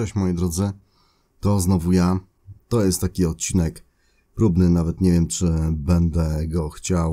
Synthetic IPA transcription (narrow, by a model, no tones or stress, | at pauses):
ɛɕmɔjid̪ɾɔd̪zɘ | t̪ɔznɔvuja | t̪ɔjɛst̪t̪ːakʲiɔt̪̚t͡ɕinɛk | pɾubnɘnavɛt̪ɲɛvʲjɛmt͡ʂɘbɛnd̪ɛɡɔxt͡ɕaw